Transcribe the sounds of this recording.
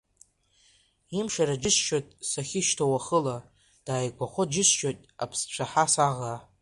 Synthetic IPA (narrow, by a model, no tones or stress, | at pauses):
imʂaɾad͡ʒɪʃʃotʼsaχʲɪʃtʰawaχəla | d̥aːjkʷaχʷod͡ʒɪsʃʼotʼa̰pʰsʈ͡ʂʷʰaħasaʁa